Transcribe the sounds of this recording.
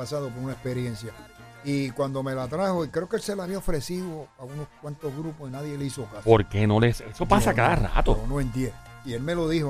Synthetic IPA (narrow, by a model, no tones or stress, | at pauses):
pasaðo̞p̬oɾunaespe̞ɾjẽ̞nsja | ikwand̪o̞me̞lat̪ɾaho̞ikɾe̞okelse̞laβiaofɾe̞siðoaunoskwant̪o̞ɦɣɾuposinaðje̞leiso̞kaspoɾke̞nolesesopasakaðara̰t̪oonoẽnt̪jeie̞lme̞lo̞ðiho